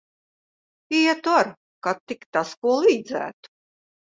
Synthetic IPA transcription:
ijɛt̪uaɾ | kat̪ːikt̪askuɔlˠiːd̪zæ̰ːt̪u̥

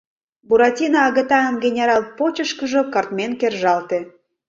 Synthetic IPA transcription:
buɾɑtʲinɑːɣət̪ɑənɡenʲeɾɑlˠpot͡ɕəʃkə̆ʒŏkɑrt̪menkerʒɑlt̪e

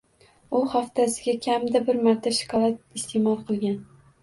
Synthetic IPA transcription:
ʊχaft̪ʰasɪɡʲakʲʰamd̪abɪɾmaɾt̪ʰaʃɪ̥kʰɒlat̪̚ɪst̪ʰemɒlˠqʰɨlˠɡʲan

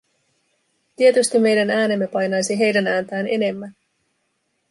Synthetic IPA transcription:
t̪ie̞t̪yst̪imːe̞jdænæːne̞mːe̞pɑjnɑjsiɦe̞jdænæːnt̪æːne̞̰ne̞mːæn

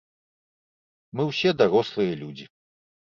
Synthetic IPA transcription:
mɨwsʲɛd̪aɾɔslˠɨjɐlʲud͡zʲi

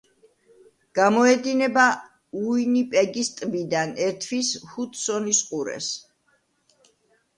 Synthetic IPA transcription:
ɡ̥amɔɛd̪inɛba | uinipʼɛɡist̪ʼbid̪anɛɾt̪ʰvishut̪ʰsɔnisqʼuɾɛ̰s

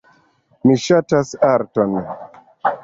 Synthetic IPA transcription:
miʃatasaɾtɔn

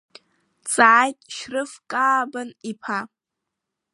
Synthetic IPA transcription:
t͡sʼaʕːjtʲʼʃrɨfkʼaːbanipʰa

